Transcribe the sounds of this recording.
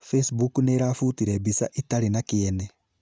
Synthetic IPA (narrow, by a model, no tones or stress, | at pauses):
fesbukuneɾaːfutiɾebisa̰ʔitaɾinakiene